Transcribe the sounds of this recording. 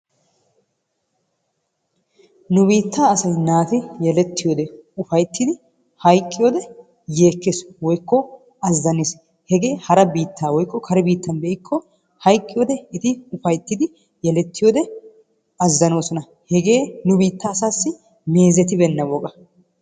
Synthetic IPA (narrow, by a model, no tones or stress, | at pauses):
nʊbiːt̪ːaːɐsɐjnaːt̪ɪjɛlɛt̪ːɪjoːd̪ɛʊfɐjt̪ːɪd̪ɪ | hɐjkʼːɪjo̞ːd̪ɛ | je̞ːkːeːswɔjkːɔ | ɐzːɐnes | hɛɡe̞ːhɐɾɐbiːt̪ːaːwɔjkːɔkʰɐɾɛbiːt̪ːɐnbeʔɪkʰːɔ | hɐjkʼːɪjo̞ːd̪ɛɪt̪ɪʊfɐjt̪ːɪd̪ɪ | jɛlɛt̪ːɪjoːd̪ɛ | ɐzːɐno̞ːsɔnɐ | hɛɡe̞ːnʊbiːt̪ːaːsaːsːɪ | me̞ːzɛt̪ɪbɛnːɐwɔkʼɐ